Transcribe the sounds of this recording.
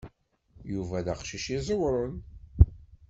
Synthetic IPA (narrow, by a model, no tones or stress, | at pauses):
juvæðæqʃiʃizˤəwɾˤən